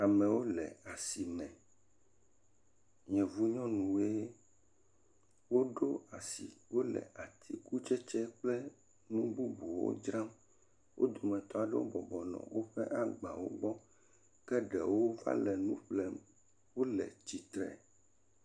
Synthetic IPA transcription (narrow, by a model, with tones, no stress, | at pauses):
a˨mɛ̃˨wo˦lɛ̰˨a˨si˨mɛ̃˨ | ɲɛ̃˨vu˦ɲɔ̃˦nũ˨we˦ | wo˦ɖo˦a˨sḭ˨wo˦lɛ̰˨ʔa˨t̪ʰi˦ku˦t͡ʃɛ˦t͡ʃɛ˦k͡plɛ˦ | nũ˦bu˦bu˨wo̰˦d͡ʒɾã˦m | wo̰˦d̪o˨mɛ̃˨t̪ɔ˦a˨ɖɛ˦wo̰˦bɔ˨bɔ˨nɔ̰̃˨wo˦ɸɛ˦ʔa˨ɡ͡ba˨wo̰˦ɡ͡bɔ˦ | kɛ˦ɖɛ˨wo˦va̰˦lɛ˨nũ˦ɸlɛ˦˨ | wo˦lɛ̰˨t͡ʃi˨t̪ɾɛ̰˨